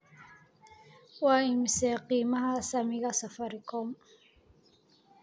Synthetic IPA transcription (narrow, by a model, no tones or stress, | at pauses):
waːimsɛqiːmɐhasɐmiɣasɐfɐɾikɔm